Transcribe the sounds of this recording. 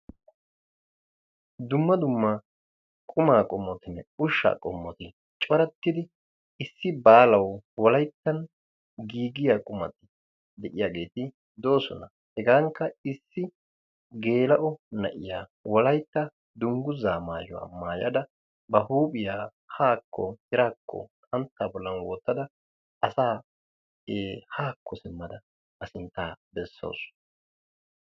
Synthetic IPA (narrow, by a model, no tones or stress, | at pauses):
d̪ʊmːɐd̪ʊmːɐ | kʼʊmaːkʼɔmːɔt̪ɪnɛʊʃːa̰ːkʼɔmːɔt̪ɪ | t͡ʃʼɔɾɐt̪ːɪd̪ɪ | ɪsːɪbaːlɐwwɔlɐjt̪ːɐn | ɡiːɡɪjaːkʼʊmɐ̰t̪ɪ | d̪ɛʔɪjaːɡe̞ːt̪ɪ | d̪o̞ːsɔ̰nɐ | hɛɡaːŋkːɐɪsːɪ | ɡe̞ːlɐʔɔnɐ̰ʔɪjaːwɔlɐjt̪ːɐ | d̪ʊŋɡʊzaːmaːjʊwa̰ːmaːjɐ̰d̪ɐ | bɐhuːpʼɪjaː | haːkʰːɔ̰hɪɾaːkːɔ̰kʼɐnt̪ːaːbɔlːɐnwoːt̪ːɐd̪ɐ | ɐsaː | eːhaːkʰːɔsɪmːɐd̪ɐ | bɐsɪnt̪ːaːbɛsːo̰ːsʊ̥